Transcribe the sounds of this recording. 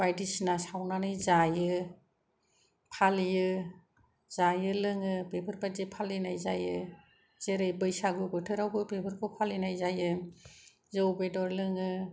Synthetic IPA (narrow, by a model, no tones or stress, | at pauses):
bajdisnasawnanɯjzajɯ | pʰalijɯ | zajɯlɯŋɯpepʰɯɾpazipʰalinajzajɯ | z̥eɾɯjbɯjsaɡɯbɯtʰɯɾawbɯpepʰɯɾkʰɔpʰalinajzajɯ | zɯwbedɔɾlɯŋɯ